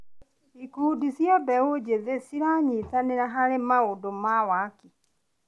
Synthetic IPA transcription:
ikuːdisjabɛod͡ʒeðesiɾaɲitaneɾaɦaɾemaodomawaki

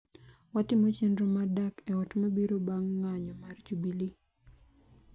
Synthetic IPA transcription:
watɪmɔt͡ʃendɾɔmadakɛwɔtmabiɾobaŋːaɲɔmart͡ʃubili

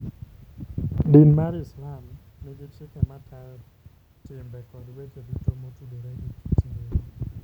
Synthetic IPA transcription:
dinmaɾɪslam | nɪɡɪt͡ʃɪkamatʰal | tɪmbɛkɔdwet͡ʃodit̪omotudoɾeʔiki̥tie

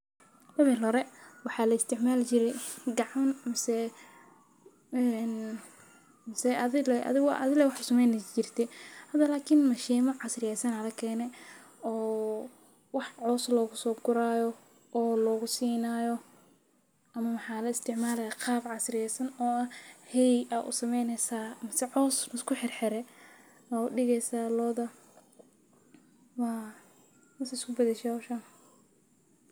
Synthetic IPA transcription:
t̪ɐmɛlɔɾɛwɑħɑːlɐɪst̪ʰɪʕmaːlt͡ʃɪɾɛɡɑʕɑnmɐsɛ | ɛn | mɐsɛɐðɪlɛʔɐ̰ðɪɣ̰ʔɐ̰ðɪlɛwɑħsʊmɛjnɐt͡ʃɪrt̪ʰɛhɐd̪ɐlaːkʰɪnmɐʃɛːmɐʕɑsrɪjɛsɐnɐlɐkʰɛːnɛ | ɔː | wɑħʕɔːslɔːɣʊsɔːɡʊɾaːjɔ | ʔɔːlɔːɣʊsiːnaːjɔ | ʔɐmɐwɑħɑːlɐɪst̪ʰɪʕmaːlɐjaqɑːbʕɑsrɪjɛjsɐnɔːɐhɛjɐʔʊ̰sɐmɛjnɛsaːmɪsɛʕɔːsɪskʰʊħɪrħɪɾɛ | ɐʊɖɪɣɛjsaːlɔːðɐ | waː | mɐsɐɪskʊbɐðɛʃɛhɔːʃaːm

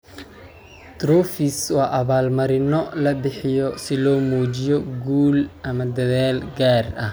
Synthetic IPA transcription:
d̪ɾɔːfiswɑːʔɐβaːlmɐɾɪnɔlɐbɪħɪjɔsɪlɔːmuːt͡ʃɪjɔɡuːlʔɐmɐd̪ɐðaːlɡaːrɐh

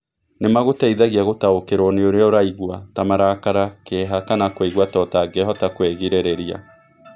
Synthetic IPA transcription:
nemaɣotaiðaɣiaɣotaokeɾoneoɾeoɾaiɣwatamaɾakaɾakeɦakanakweiɣwatɔtaɡɛɦɔtakwɛɣiɾeɾɛɾia̰

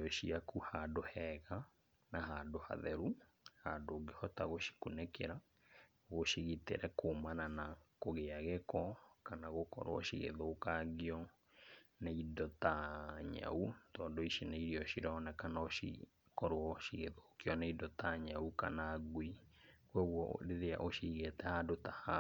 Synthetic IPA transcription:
ɔʃiakuhadohɛɣa | naɦadoha̰ðɛɾu | hadoːɡehɔtaɣoʃi̥kunekeɾa | ɣoʃiɣitḛɾɛkʰomananakoɣeaɣɛkɔkanaɣokɔ̰ɾ̰ɔ̰ʃḭɣḛðoːkaɡiɔ | neidɔtaɲa̰utɔndoiʃinaiɾiɔʃiɾɔnɛkanaoḭ | kɔɾwɔʃiɣḛðokiɔneidɔtaɲaukanaɡwikwɔɣwɔ̰ɾeðea̰ʔoʃiɣetɛhadotaha

